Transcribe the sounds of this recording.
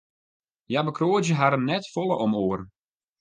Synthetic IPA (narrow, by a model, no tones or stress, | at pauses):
jabəkroːd͡ʒjəɦaɾənnːɛtfɔlˠə̰ʔɔmoːərn